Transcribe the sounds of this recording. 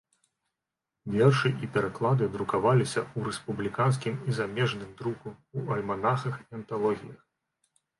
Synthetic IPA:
vʲɛrʂɨipʲɛɾaklˠad̪ɨd̪ɾukavalʲisʲɐuɾɛspublʲikans̬kʲimizamʲɛʐnɨmd̪ɾukuuɐlʲmanaxɐxiɐnt̪alˠɔɣʲijɐx

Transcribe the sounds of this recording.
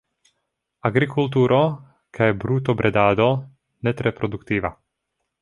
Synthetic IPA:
aɡɾikult̪̬uːɾɔ | kʰɛbɾuːt̪ɔbɾɛd̪aːd̪ɔ | nɛt̪ɾɛpɾɔd̪ukt̪iːʋa̰

